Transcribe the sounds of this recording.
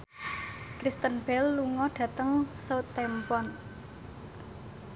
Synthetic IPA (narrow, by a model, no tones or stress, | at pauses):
kɾist̪ənb̥ɛlːuŋɔɖ̥ä̤t̪əŋsəwt̪ːɛmpɔn